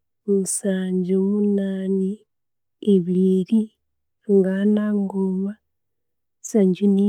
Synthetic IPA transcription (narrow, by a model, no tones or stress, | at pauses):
βusaɲd͡ʒoβunaːni | eβiɾi | ŋɡanaŋɡoβa | saɲd͡ʒini